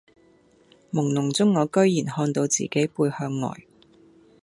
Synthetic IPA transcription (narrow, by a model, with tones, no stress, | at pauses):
mʊ˨˩ŋnʊ˨˩ŋt͡sʊ˥ŋːɔː˨˧kɵ˥ɥjiː˨˩nhɔː˧nt̪o˨˧wt͡sḭː˨ke˨˥jpuː˧jhœː˧ŋːɔ̰ː˨˩j